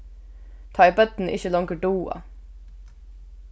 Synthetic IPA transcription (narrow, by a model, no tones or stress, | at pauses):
t̪ʰɑːɪbɛt̪n̩ʔɪ̰çəlɔŋkəɖuːɑ̰